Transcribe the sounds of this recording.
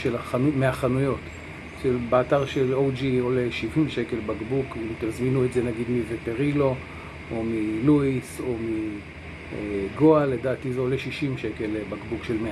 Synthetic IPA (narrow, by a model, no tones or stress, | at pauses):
ʃelaanumeaχanujo̞t | ʃebeataʁʃelowd͡ʒioleʃivimʃe̞ke̞lbaɡbukimt̪emazminuetzenaɡid̪mivepeʁilo̞ | omiluiso̞mi | eɡo̞alːedaːtizeoleʃiʃimʃe̞ke̞lbaɡbukʃelme